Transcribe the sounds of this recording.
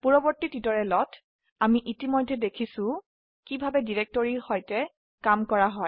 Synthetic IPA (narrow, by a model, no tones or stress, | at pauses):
puɹɔbɔɹtitidɔɹɛlɔtʰ | amiʔitimojdʱːɛdekʰisʊ̃ | kibʱabɛdiɹɛk̚tɔɹiɹhɔjtɛ | kamkɔɹaɦɔj